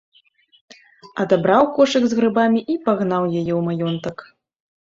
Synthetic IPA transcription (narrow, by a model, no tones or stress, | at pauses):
ɐd̪abɾawkɔʂɨɡzɣɾɨbamʲiʔipaɣnawjajɛwmajɔnt̪ɐk